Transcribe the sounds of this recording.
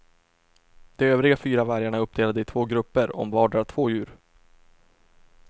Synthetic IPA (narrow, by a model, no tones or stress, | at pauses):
d̪̥ɛøːvɾɪɡafyːɾavæɾjaɳaɵpːd̪eːlad̪əɪt̪ʰv̥oːɡɾɵpːəɾɔ̰mvɑːɖaɾt̪ʰvoːjʉ̟ːɾ